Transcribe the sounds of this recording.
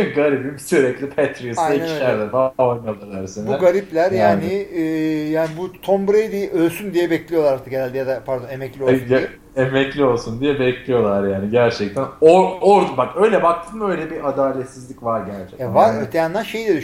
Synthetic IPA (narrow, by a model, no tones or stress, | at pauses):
ɡaɾibimsyɾɛclʲipʰɛt̪ɾisaj̪aæni̥ʃæɾd̪ɛbaojnalˠalˠaɾsinbuæɡaɾiplʲæɾjaːniː | jaːnibut̪ʰombɾejd̪iʔølʲsynd̪ijɛbɛclʲijolˠaɾat̪ʰːakɟeælʲd̪ɛjad̪apʰaɾd̪onemɛclʲios | emɛclʲio̞lˠsund̪ijɛbɛclʲijo̞lˠaɾjaːniɟæɾt͡ʃʰɛc̚t̪ʰænooɾd̪ubakø̞jlʲɛbak̚t̪ʰɯːmø̞jlʲɛbiad̪aːlʲɛt̪sizlʲicvaɾɟæɾt͡ʃʰɛkɛvaɾøt̪ʰejanlˠæɾʃe̞jlʲɛd̪y